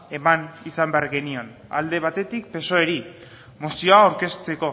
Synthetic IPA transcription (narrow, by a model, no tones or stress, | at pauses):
e̞manisambe̞aɾɣe̞nio̞n | a̰ld̪e̞β̞at̪e̞t̪ik̚pe̞so̞eɾi | mosio̞aːwɾke̞st͡se̞ko̞